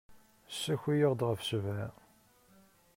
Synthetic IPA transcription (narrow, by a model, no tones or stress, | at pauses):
sːæçijəʁd̪ʁəfsəvæ